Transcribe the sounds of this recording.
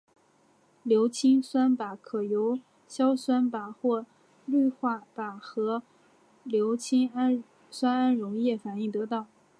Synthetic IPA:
ljo˧˥ʊt͡ɕʰi˥ŋswa˥npa˨˩kʰɤ˨˩jo˧˥ʊ | ɕjɑ˥ʊswa˥npa˨˩xwɔ˥˩ | ly˥˧xwa˥˩pa˨˩xɤ˧˥ | ljo˧˥ʊt͡ɕʰi˥ŋa˥n | swa˥na˥nɻʊ˧˥ŋjɛ˥˩fa˨˩ni˥˩t̪ɤ˧˥t̪ɑ˥˩ʊ

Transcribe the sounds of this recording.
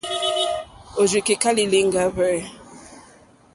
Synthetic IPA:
o˨d͡ʒi˨ke˨ka˦li˨li˦ŋɡa˦βɛ˦˨

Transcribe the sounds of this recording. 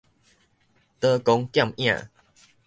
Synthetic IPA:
t̪ə˦kɔ˦ŋk̪ja˥˨ŋj̃ã̰˥˨

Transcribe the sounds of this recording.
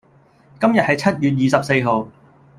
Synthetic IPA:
kɐ˥mjɐ˨t̚hɐ˨jt͡sʰɐ˥t̚jyː˨t̚jiː˨˩sɐ˨p̚se˧jɦo˨w

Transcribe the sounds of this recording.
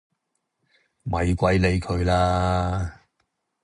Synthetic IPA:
mɐ˨jkʷɐ˨˥jle˨˧jkʰɵ˨˧ɥlaː˥

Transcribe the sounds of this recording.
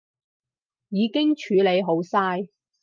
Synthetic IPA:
jiː˨˧kɪ˥ŋt͡ʃʰyː˨˥le˨˧jɦo˨˥wsaː˥j

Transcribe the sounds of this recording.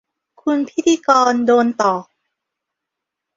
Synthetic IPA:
kʰu˧npʰi˦˥t̪ʰiː˧kɔː˧ndoː˧nt̪ɔː˨˩

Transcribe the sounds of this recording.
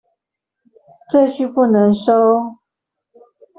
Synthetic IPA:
ʈ͡ʂɤ˥˧t͡ɕy˥˧pu˥˩nə˧˥ŋʂo˥ʊ

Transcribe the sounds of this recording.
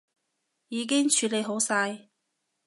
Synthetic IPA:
jiː˨˧k̬ɪ˥ŋt͡ʃʰyː˨˧le˨˧jɦo˨˥wsaː˧j

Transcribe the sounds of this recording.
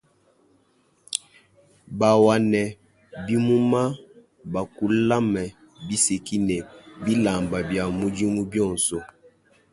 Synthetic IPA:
ba˨wa˨nɛ˨ | bi˦mu˦ma˦ | ba˨ku˦la˦mɛ˨ | bi˦se˨ki˦nɛ˨bi˦la˨mba˨bja˨mu˦d͡ʒi˦mu˦bjɔ˦˨n˨sɔ˦

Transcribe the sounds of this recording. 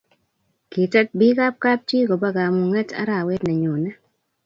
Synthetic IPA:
ki˨tɛ˦t̚bi˦ka˦p̚ka˦p̚t͡ʃi˦ko˨ba˦ɡa˨mu˨ŋɛ˦ta̰˦ɾa˨we˦dnɛ˨ɲo˨nɛ˦

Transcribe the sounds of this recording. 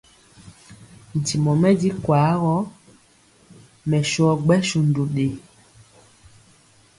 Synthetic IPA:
n̩˨ti˨mɔ˨mɛ˦di˦kwa˨˦ɣɔ˦ | mɛ˨ʃɔ˨˦ɡ͡bɛ˦ʃu˨n˨do˨ɗe˨

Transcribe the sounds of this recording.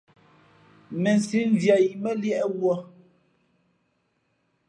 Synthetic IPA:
mɛ˨n˨si˨˦n˦vja˨ji˨mɛ˦ljɛ˦ʔwɔ˦

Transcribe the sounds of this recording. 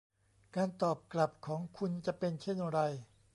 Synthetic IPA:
kaː˧nt̪ɔː˨˩p̚kla˨˩p̚kʰɔː˩˦ŋkʰu˧nt͡ɕa˨˩pe˧nt͡ɕʰe˥˩nɾa˧j

